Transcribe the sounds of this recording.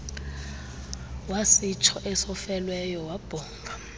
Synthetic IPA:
wasit͡ʃʰɔʔɛsɔfɛlwɛjɔwab̥ʱɔːŋɡʱa

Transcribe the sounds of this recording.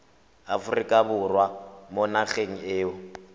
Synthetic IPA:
afʊrikʼabʊrwamonaχeŋ̩eːʊ

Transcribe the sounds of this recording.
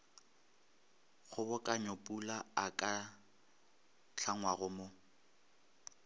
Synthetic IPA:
ɣʊbʊkʼaɲopʼulaakʼa | ɬʰaŋwaɣʊmʊ

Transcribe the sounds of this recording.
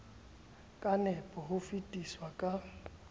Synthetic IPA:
kʼanɛpʼɔɦʊfitʼiswakʼa

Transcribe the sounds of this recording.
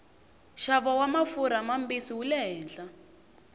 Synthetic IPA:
ʃaβɔwamafuɾamambisiwulɛɦɛːnɬa

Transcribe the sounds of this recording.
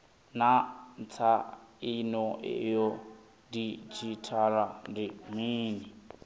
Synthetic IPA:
nant͡sʰainɔɛ̰jɔ | dit͡ʃʰitʰaɾandimiːni

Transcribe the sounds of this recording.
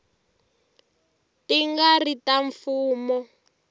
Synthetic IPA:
tiŋɡaritaɱfuːmɔ

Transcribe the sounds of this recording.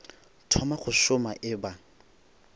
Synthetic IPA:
tʰɔmaχʊʃʊmaʔɪba

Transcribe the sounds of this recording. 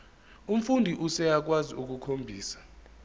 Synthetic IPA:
um̩fundʱiʔusɛjak̬waziuk̬ukʰombʱiːsḁ

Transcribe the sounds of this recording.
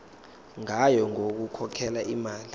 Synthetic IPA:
ŋajɔŋok̬ukʰɔkʰɛlaʔimaːli

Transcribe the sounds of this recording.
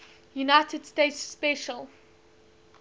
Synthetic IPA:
junaɪtʰədstetsːpɛʃəl

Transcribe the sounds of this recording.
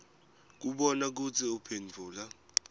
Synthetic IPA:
k̬uɓɔnak̬ut͡sʰiupʰend͡vʱuːla

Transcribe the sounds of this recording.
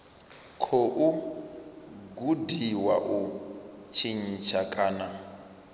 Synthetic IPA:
kʰoʔu | ɡudiwaʔut͡ʃʰin̩t͡ʃʰakʼaːna

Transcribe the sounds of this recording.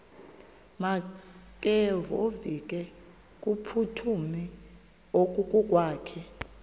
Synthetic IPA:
makʼevovik̬ʼɛ | kʼupʰutʰumi | okʼukʼukʼwaːkʰɛ

